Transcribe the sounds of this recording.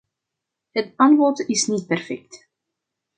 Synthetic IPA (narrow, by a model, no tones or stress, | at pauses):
ɦətɑntʋɔtɪsnit̚pɛrfɛk̚t